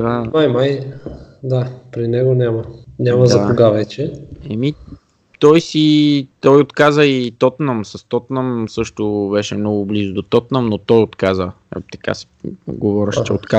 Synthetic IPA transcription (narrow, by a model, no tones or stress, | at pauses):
amajmaj | d̪apɾinɛɡonʲamɐnʲaməzd̪ɐat̪oɡavɛt͡ʃɛɛmi | t̪ɔjsit̪ɔjot̪kazəit̪ɔt̪nəmsɐst̪ɔt̪nəmsɤʃt̪ʊbɛʃɛmnɔɡʊblizʊd̪ot̪ɔt̪nəmnot̪ɔjot̪kazə̰ | t̪ɐ̥ka̰sɛ̥ɡovɔɾɛʃt͡ʃɛot̪ka